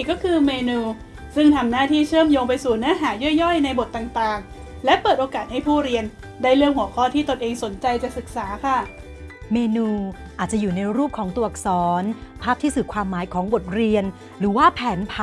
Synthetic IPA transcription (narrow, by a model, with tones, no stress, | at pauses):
kɔː˥˩kʰɯː˧meː˧nuː˧ | sɯ˥˩ŋt̪ʰa˧mnaː˥˩t̪ʰiː˥˩t͡ɕʰɯː˥˩əmjoː˧ŋpa˧jsuː˨˩nɯ˦˥ɐɦaː˩˦jɔ˥˩əjɔ˥˩jna˧jbo˨˩t̪̚ːaː˨˩ŋt̪aː˨˩ŋ | lɛ˦˥pɤː˨˩t̪ʔoː˧kaː˨˩t̪̚ha˥˩jpʰuː˥˩ɾi˧ən | daː˥˩jlɯ˥˩əŋhu˩˦əkʰɔː˥˩t̪ʰiː˥˩t̪o˧nʔeː˧ŋso˩˦nt͡ɕa˧jt͡ɕa˨˩sɯ˨˩k̚saː˩˦kʰa˥˩ | meː˧nuː˧ | ʔaː˨˩t̪̚t͡ɕa˨˩juː˨˩na˧jɾuː˥˩p̚kʰɔː˩˦ŋt̪u˧˩k̚sɔː˩˦npʰaː˥˩p̪̚ʰiː˥˩sɯː˨˩kʰwaː˧mːaː˩˦jkʰɔː˩˦ŋbo˨˩t̪̚ɾi˧ən | ɾɯː˩˦waː˥˩pʰɛː˩˦npʰa˦˥